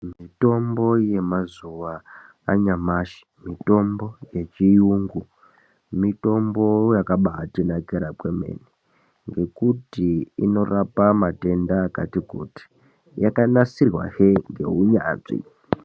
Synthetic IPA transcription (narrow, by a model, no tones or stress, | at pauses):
mito̞mbo̞je̞mazuʋaː | ɲamaːʃi̥mito̞mbo̞je̞t͡ʃijuːŋɡu | mito̞mbo̞jakaɓaːtinakeɾakwemḛːni | ŋɡe̞kutiino̞rapamate̞ndaːka̰tikṵːti̥ | jakanasirwa̰heŋɡe̞̰ɦuɲa̰ːʐḭ